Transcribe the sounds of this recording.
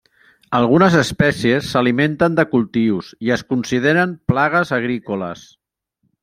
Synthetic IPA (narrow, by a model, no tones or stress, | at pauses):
əlˠɣunəzəspɛsiesːəliment̪ənd̪əkulˠt̪iwziəskunsiðeɾəmplaɣəzəɣ̞ɾikolə̰s